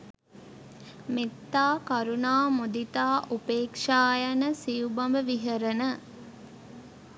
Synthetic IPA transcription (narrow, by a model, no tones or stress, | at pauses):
met̪ːaːkɐɾunaːmud̪it̪aːʔupeːkʂaːjɐnəsijubɐmbəʋiɦəɾənə